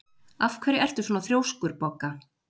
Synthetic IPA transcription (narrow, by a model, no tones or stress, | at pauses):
afkʰvɛɾɪɛr̥t̪ʏsɔnaθɾjoːwskʏɾpɔkːa